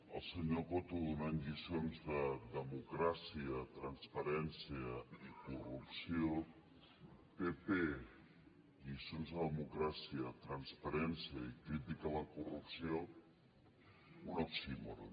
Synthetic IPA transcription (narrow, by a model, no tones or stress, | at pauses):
a̰lˠseɲoɣot̪uðunanʎisjonzðaðemukɾasiat̪ɾanspaɾɛnsjaikurupsjo | pepe | ʎisjonzðaðemukɾasiat̪ɾanspaɾensjaikɾit̪ikalakurupsjo | unoksimoɾo̰